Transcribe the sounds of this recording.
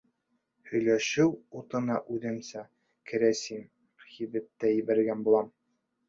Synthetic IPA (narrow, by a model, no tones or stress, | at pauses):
hɵ̆jlæʃɘwut̪ɤ̆nɑʔʉðɘ̆msæ | kʰɘ̆ɾæsin | χiðɘp̚t̪æjɘ̆bæɾɡænbulˠɑm